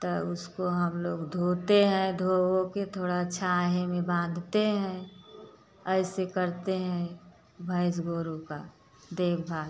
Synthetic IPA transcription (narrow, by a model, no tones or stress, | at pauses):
t̪əʊskoɦəmloːɡd̪ʱoːt̪eɦɛ̃d̪ʱoːwõket̪ʰoːɽat͡ʃʰaːɦemẽbãːnd̪ʱt̪eɦɛ̃ | ɛɪsekəɾt̪eɦɛ̃ | bʱəɪs̬ɡoːɾuka̰ | d̪eːkʰbʱaː